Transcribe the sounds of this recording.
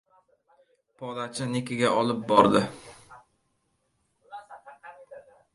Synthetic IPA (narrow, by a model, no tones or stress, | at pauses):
pʰɒd̪at͡ʃʰɪnekʲɪɡʲaʔɒlɪp̚bɒɾd̪ɪ